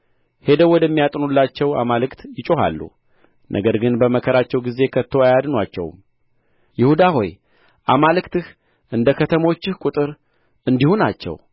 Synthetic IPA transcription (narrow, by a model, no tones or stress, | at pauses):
he̞d̪əwɔd̪əmːijat̪ʼnulːat͡ʃːɛwa̰malɨkt̪jɪt͡ʃʼoha̰lːṵ | nʔə̰ɡəɾɡɨnbəməkʰəɾat͡ʃːɛwɡize̞kʰət̪ʰːo̞ajad̪nwat͡ʃːɛ̰w̰m | jɪhud̪aho̞̰j | ʔamalɨkt̪ɨh | ʔɨnd̪əkʰət̪ʰəmo̞t͡ʃːɪhkʷʼut̪ʼɨɾ | ɨnd̪ihunat͡ʃːɛ̰w